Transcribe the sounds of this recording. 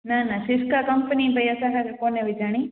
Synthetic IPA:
nanaʃɪskakəmpənibʱəjəsakakekoneʋid͡ʒaɽ̃i

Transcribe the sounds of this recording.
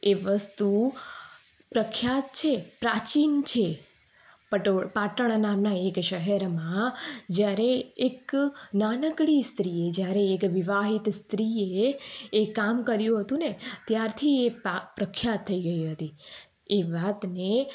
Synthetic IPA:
eʋəst̪u | pɾəkʰːjat̪t͡ʃʰepɾat͡ʃint͡ʃʰe | pəʈpaʈəɳ̃namnaekʃəɦɛɾmãd͡ʒjaɾeeknanəkɽist̪ɾied͡ʒjaɾeːkʋɪʋaɦit̪st̪ɾieː | kamkəɾjũɦət̪ũnet̪jaɾt̪ʰiepɾəkʰːjat̪ʰːəiɡəiɦət̪i | eʋat̪ne

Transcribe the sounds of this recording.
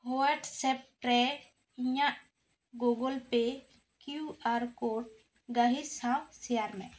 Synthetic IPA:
howəɖsɛp̚ʈɾɛ | iɲaʔ | ɡoɡɔlpe | kjuaɾkoʈ̚ | ɡəɦisãwsijaɾmɛ̰̃

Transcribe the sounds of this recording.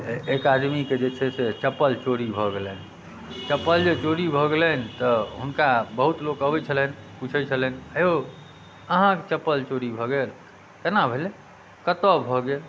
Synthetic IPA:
ekad̪miked͡ʒet͡ʃʰɛset͡ʃəpːəlt͡ʃoɾibʱɔɡelɛn | t͡ʃəpːəld͡ʒet͡ʃoɾibʱɔɡelɛnt̪əɦunkabəɦut̪lokəbɛt͡ʃʰəlɛnput͡ʃʰɛt͡ʃʰəlɛnəjo | əɦãket͡ʃəpːəlt͡ʃoɾibʱɔɡel | k̪enabʱele | kət̪ɔbʱɔɡel

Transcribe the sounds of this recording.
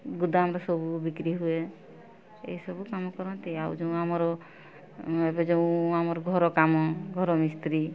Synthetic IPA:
ɡud̪aamɾasɔbubikɾiɦue | ḛsɔbukamɔkɔɾɔnt̪iawd͡ʒẽamɔɾɔ | ebed͡ʒeũamɔɾɔɡʱɔɾɔkamɔɡʱɔɾɔmist̪ɾi

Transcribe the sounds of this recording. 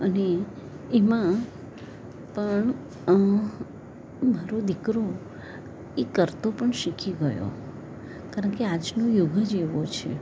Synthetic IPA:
əne | emã | pəɳ | maɾod̪ikɾo | ekəɾt̪opəɳʃikʰiɡəjo̰ | kaɾəɳkead͡ʒnojʊɡʱəd͡ʒeʋot͡ʃʰḛ

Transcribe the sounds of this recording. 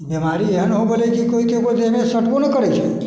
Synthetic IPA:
bɛmaɾiãnəɦũbəlekikoikebət̪emesəʈkonəkəɽet͡ʃʰe

